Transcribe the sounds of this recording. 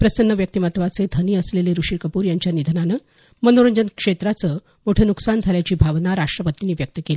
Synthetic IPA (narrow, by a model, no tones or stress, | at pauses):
pɾəsənːəʋjək̚t̪imat̪ʋat͡sed̪ʱəniːəsleleɾuʂikəpuːɾjaɲt͡ɕjanid̪ʱənanəː | mənoɾəɲd͡ʑənkʂet̪ɾat͡səː | moʈʰəːnuksand͡zʱaljat͡ɕiːbʱaʋnaɾaʂʈɾəpət̪iniːʋjək̚t̪əkeli